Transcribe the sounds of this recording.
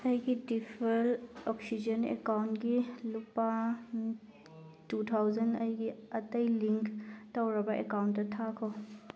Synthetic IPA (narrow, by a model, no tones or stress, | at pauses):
ɐjɡidipʰelɔksid͡ʒɐnḛkawntɡilupa | tutʰawzɐnɐjɡiɐtɐjliŋktawɾɐbɐʔḛkawntːɐtʰakʰɔ